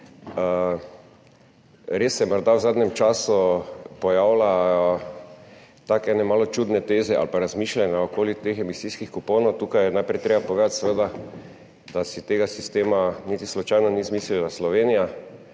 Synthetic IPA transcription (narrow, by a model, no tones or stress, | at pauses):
ə | ɾesːɛjɛmɔɾd̪awzad̪nʲɛmt͡ʃaːsupɔjaːwla | t̪akɛnɛmalɔt͡ʃuːd̪nɛt̪ezɛʔa̰lpaɾazmiːʃlanjaokoːlit̪exɛmisiskixkupownot̪uːkajɛnajpɾɛjt̪ɾebapɔʋeːd̪at̪səʋəd̪a | d̪asit̪eɡasist̪eːmanit̪islɔt͡ʃajnɔnizmiːslilaslɔʋenija